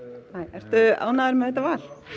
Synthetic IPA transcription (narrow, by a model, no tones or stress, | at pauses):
naːjɛɾ̥t̪ʏa̰ːwnaðʏɾmɛðɛt̪avaːl̥